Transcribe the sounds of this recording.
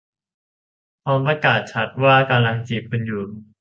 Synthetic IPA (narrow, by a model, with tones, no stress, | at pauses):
pʰɔː˧mpɾa˧kaː˨˩t̪̚t͡ɕʰa˦˥t̪̚waː˥˩ka˧mla˧ŋt͡ɕiː˨˩ppːe˧njuː˨˩